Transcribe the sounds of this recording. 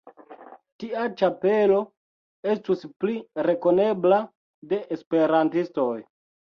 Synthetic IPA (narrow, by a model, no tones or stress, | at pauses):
tiat͡ʃape̞lo̞ | e̞stuspliɾe̞ko̞ne̞bla | de̞ʔːspe̞ɾantisto̞j